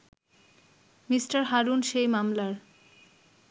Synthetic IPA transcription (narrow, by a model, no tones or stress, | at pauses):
misʈaɾɦaɾunʃejmamlaɾ